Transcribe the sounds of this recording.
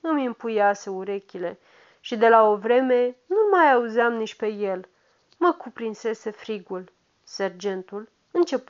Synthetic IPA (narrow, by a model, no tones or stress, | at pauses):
ɨmimpujaseuɾe̞kʲile̞ | ʃid̪e̞lao̞vɾe̞me̞numajauziamnit͡ʃʲpe̞je̞l | məkupɾinse̞se̞fɾiɡul | serd͡ʒe̞nt̪ul | ɨnt͡ʃe̞p